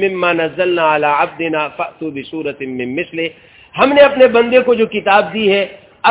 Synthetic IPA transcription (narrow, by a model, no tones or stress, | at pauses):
mɪmːaːnɐzːɐlnaːalaːʕab̚d̪ɪnaːfɐʔt̪uːbɪsuːɾɐt̪mɪmːɪslɪ | hɐmneɐpnebɐ̃nd̪ekod͡ʒoːkɪt̪aːb̚d̪iɦɛː | ɐ